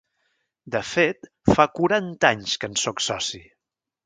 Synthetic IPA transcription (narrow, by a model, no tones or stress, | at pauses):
d̪əfet̪ | fakuɾant̪aɲskənsɔksɔsi